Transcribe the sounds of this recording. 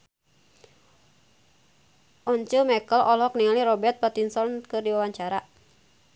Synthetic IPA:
ʔɔɲt͡ʃumɛkəlʔɔlɔk̚niŋaliɾɔbɛrt̪̚pat̪insɔnkɨrdiwawaɲt͡ʃaɾa

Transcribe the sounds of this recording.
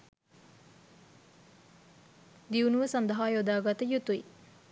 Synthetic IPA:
d̪iunuʋəsɐnd̪əɦaːjod̪aːɡat̪əjut̪ui

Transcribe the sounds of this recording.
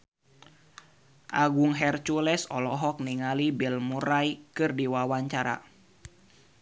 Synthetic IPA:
ʔaɡuŋɦɛrt͡ʃulɛsɔlɔɦɔk̚niŋalibilmuɾajkɨrdiwawaɲt͡ʃaɾa̰

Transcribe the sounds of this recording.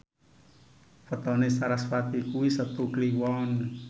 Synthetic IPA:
fət̪ɔnesaɾaswat̪ikuwisət̪ukliwɔn

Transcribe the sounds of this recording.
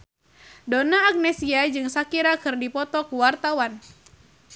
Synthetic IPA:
donaːk̚nɛsiad͡ʒɨŋsakiɾakɨrdipɔt̪ɔkuwart̪awan

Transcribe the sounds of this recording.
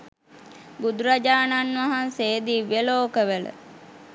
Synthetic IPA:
bud̪uɾad͡ʒaːnanʋaɦanseːd̪iʋeloːkəʋələ̰

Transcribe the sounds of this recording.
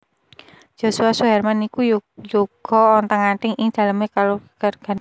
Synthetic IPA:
d͡ʒ̥o̤suasuɦɛrmanikujuɡ̥ɔ̤ɔnt̪aŋaʈɪŋɪŋd̪̥a̤ləmekalokərɡ̥a̤n

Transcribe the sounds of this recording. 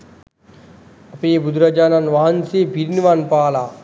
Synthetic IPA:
ɐpeːbud̪ɾɐd͡ʒaːnanʋaɦɐnsebʱiɾniʋanpaːlaː

